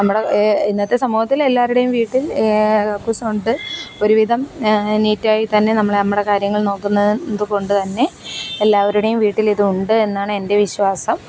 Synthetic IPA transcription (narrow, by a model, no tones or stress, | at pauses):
nɐmːuɽeinːɐt̪ːesɐmuːhɐt̪ːile̞lːaːɾuɽejumʋiːʈːilɐkːuːsɐmuɳɖɨo̞ɾuʋid̪ʱɐmniːtːaːjit̪ɐnːe̞nɐmːɭɐmːuɽe̞kaːɾjɐŋːɐɭno̞ːkːunːɐðɨko̞ɳɖɨt̪ɐnːe̞ːlːaːʋɐɾuɽejumʋiːʈːiliðɨuɳɖɨe̞nːaːɳɨe̞nde̞ʋiɕwaːsɐm